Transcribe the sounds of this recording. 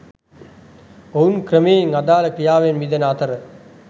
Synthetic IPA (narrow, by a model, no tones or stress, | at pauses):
ounkɾəmeːiŋad̪aːləkɾijaːʋenmid̪ɐnat̪əɾə